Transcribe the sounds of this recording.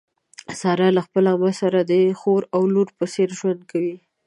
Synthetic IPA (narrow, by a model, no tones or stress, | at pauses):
sɑɾalaxpəlamasaɾad̪əxoɾawluɾpəseɾʒwand̪̚kawi